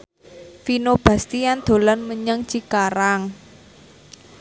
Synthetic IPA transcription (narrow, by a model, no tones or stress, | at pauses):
finob̥a̤st̪ijand̪̥o̤lanməɲəŋt͡ʃikaɾaŋ